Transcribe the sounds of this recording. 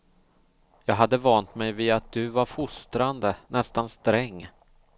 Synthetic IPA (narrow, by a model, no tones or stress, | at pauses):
jɑːɡɦad̪ːəvɑnt̪mɛjviːat̪̚d̪̥ɵvaɾfʊst̪ɾand̪ənɛst̪anst̪ɾɛŋː